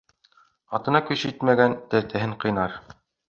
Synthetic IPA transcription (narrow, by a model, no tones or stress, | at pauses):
ɑt̪ɤ̆nɑkɵ̆ʃit̪mæɡænt̪ɘ̆ɾt̪æɦɘɴqɤ̆jnɑɾ